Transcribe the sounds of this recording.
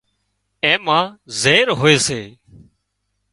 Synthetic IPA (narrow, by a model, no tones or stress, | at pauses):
ẽːmãːzeːɾɦoːeːseː